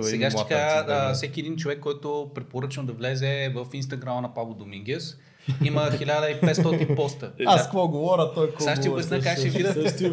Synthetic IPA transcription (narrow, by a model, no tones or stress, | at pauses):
sɛɡaʃɛ̥kaəfsɛk̟ʲiɛd̪int͡ʃovɛkːɔjt̪ʊpɾɛpoɾɤt͡ʃənd̪ɐvlɛzɛvəfinst̪ɐɡɾamɐnɐpablˠd̪omiŋɡʲɛs | iməxilʲad̪əipɛt̪st̪ɔtnt̪inpɔst̪əaskkvɔɡovɔɾʲɐt̪ɔjksaʃiobʲjʲɐsnʲəkakʃɛvid̪ə